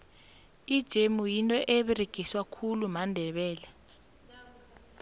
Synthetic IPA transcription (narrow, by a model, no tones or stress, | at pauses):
id̥ʒ̥ʱemujintʼɔʔeβireɡ̥ʱiswakʰulumandʱɛɓɛːlɛ